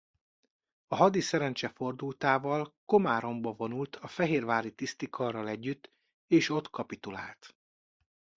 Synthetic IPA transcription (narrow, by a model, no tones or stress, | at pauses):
ɒɦɒd̪isɛɾɛnt͡ʃɛfo̞rd̪ult̪aːvɒlko̞maːɾo̞mbɒvo̞nult̪ʰɒfɛɦeːrvaːlit̪ist̪ikʰɒrːɒlɛɟːyt̪ː | eːʃo̞t̪kʰɒpit̪ula̰ːlt̪